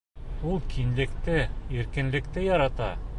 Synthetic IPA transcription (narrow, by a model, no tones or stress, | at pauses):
ulˠkʰinlɘ̆kt̪ɘiɾkɘ̆nlɘ̆kt̪ɘjɒɾɑt̪ɑ